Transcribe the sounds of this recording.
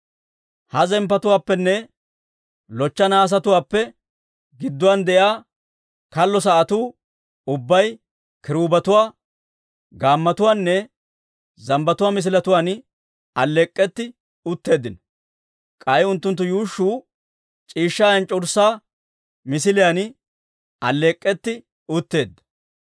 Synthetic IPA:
hɐzɛmpːɐt̪ʊwaːpːɛnːɛ | lɔt͡ʃːɐnaːs̬ɐt̪ʊwaːpːɛ | ɡɪd̪ːʊwaːnd̪ɛʔjaː | kɐlːɔs̬ɐʔɐt̪uː | ʊbːɐj | kɪɾuːbɐt̪ʊwaː | ɡaːmːɐt̪ʊwaːnːɛ | zɐmbɐt̪ʊwaːmɪs̬ɪlɐt̪ʊwaːn | ɐlːeːkʼːɛt̪ːɪ | ʊt̪ːe̞ːd̪ːɪnɔ | kʼɐjʊnt̪ːʊnt̪ːʊjuːʃːuː | t͡ʃʼiːʃːaːjɐnt͡ʃʼɔɾsaː | mɪsɪlɪjan | ɐ̰lːeːkʼːɛt̪ːɪ | ʊt̪ːe̞ːd̪ːɐ̥

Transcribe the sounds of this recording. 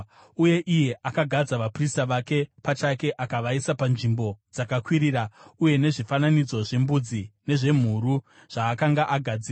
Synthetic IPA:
uje̞ʔije̞ʔakaɡʱad͡zaʋapristaʋake̞pat͡ʃake̞ʔakaʋaisapanʐimbo̞d͡zakakwiɾirauje̞ne̞ʐifananid͡zo̞ʐe̞mbud͡zine̞ʐe̞m̤uɾu | ʐ̥aːkaŋɡaʔaɡʱad͡ziːr

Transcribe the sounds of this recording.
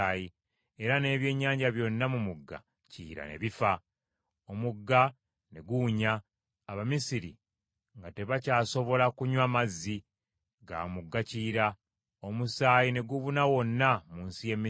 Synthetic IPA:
ji | e̞ɾane̞ːβje̞ːɲːaːɲɟaβjo̞nːamumuɡːa̰ | cḭːɾa̰ne̞̰βifa | omuɡːa | ne̞ɡuːɲaː | βamisiɾḭ | ŋɡate̞βacaːso̞βo̞lakuɲwamazːi | ɡa̰ːmuɡːaciːɾa | omusaːjine̞ɡuβunawo̞nːamuːnsije̞mːi

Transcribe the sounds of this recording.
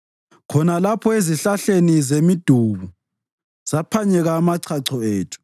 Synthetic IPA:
kʰɔnalapʰɔeziɬaɬenizemid̥ʱuβu | z̥apʰaɲɛɣaːmaǀʰaǀʰɔeːtʰu̥

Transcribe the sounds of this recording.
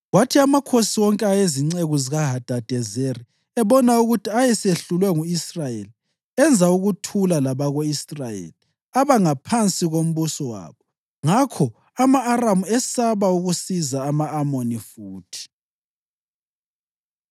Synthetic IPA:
watʰiamakʰosiwɔŋkʼɛajeziŋ͡ǀeɣuziɣaɦad̥ʱad̥ʱɛzeri | ɛβɔnauɣutʰiajɛseɬulwɛŋuisrajeli | ɛnd͡zʱauɣutʰulalaβaɣoisrajḛli | aβaŋapʰant͡sʼiɣom̩βusɔwa̰ːβɔ | ŋakʰɔ | amaːramuɛsaβauɣusizaːmaːmonifuːtʰi̥

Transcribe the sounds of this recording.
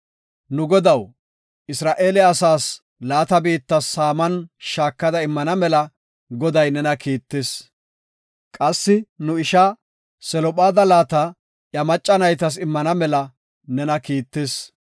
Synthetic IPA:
nʊɡɔd̪ɐw | ʔɪsɾaːʔe̞ːlɛɐsaːs | laːt̪ɐbiːt̪ːɐsːaːmɐnʃaːkːɐd̪ɐɪmːɐnɐmɛlɐ | ɡɔd̪ɐjnɛnɐkiːt̪ːes | kʼɐsːɪnʊɪʃa | sɛlɔpʼaːd̪ɐlaːt̪ɐ | jɐmɐt͡ʃʼːɐnɐjt̪ɐs̬ɪmːɐnɐmɛlɐ | nɛnɐkiːt̪ːes

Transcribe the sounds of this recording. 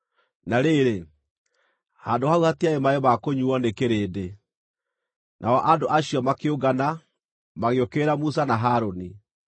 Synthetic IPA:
naɾeɾe | haːndohauhatiaemaemakoɲuɔnekeɾeːde | nʔaɔʔandoʔaɕijɔmakeoɡana | maɣeokeɾamus̬anaɦaːɾoni

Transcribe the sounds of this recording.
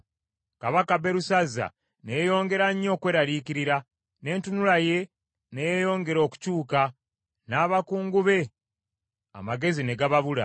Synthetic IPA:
kaβakaβe̞ɾusazːa̰ | nejo̞ːŋɡe̞ɾaɲːo̞ːkwe̞ːɾalikiɾiɾa | ne̞ːntunulaje̞ | nejejo̞ːŋɡe̞ɾo̞ːku̥cuːka | naːβakuːŋɡuβe̞ | a̰maɡe̞zine̞ɡaβaβula̰

